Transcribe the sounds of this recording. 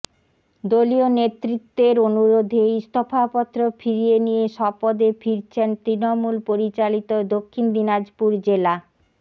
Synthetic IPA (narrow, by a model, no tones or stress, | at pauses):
d̪olionet̪ːɾit̪ːeɾonuɾod̪ʱeist̪ʰofʰapɔt̪ːɾofʰiɾienijeʃɔpod̪efʰiɾt͡ɕʰent̪ɾinomulpoɾit͡ɕalit̪od̪okʰːind̪inad͡ʑpuɾd͡ʑela